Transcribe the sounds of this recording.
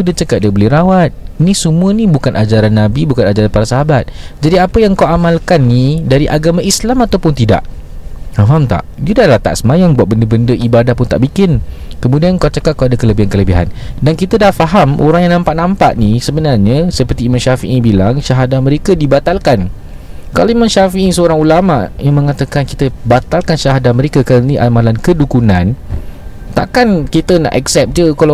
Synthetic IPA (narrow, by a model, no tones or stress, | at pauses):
udət͡ʃəkat̪̚dəbolɛhɾawat̪̚nisəmũənibukanʔad͡ʒaɾanːabibukanad͡ʒaɾanpaɾasaɦabat̪̚d͡ʒadiapəjaŋkawamalkanːidaɾiʔaɡamãʔislamat̪awpʊnt̪ida̰ʔ | aɦamt̪a̰ʔd͡ʒudadlat̪a̰ʔsəmajaŋbuat̪̚bəndəbəndəʔibadahpʊnt̪a̰ʔbikɪn | kəmũdiankawt͡ʃəkat̪̚kawadakələbiɦankələbiɦa̰ndankit̪ədahfaɦamʔo̰ɾaŋjaŋnãmpaʔnãmpaʔnisəbənarɲasəpərt̪iːmãnʃafḭʔibilaŋʃaɦadaməɾekadibat̪alkan | kaloimãnʃafiʔisəoɾaŋulamaʔjaŋmə̃ŋat̪akankit̪əbat̪alkanʃaɦadaməɾekakalniʔamalankədukunãn | t̪a̰ʔkankit̪əna̰ʔɛ̰ksɛp̚d͡ʒəkala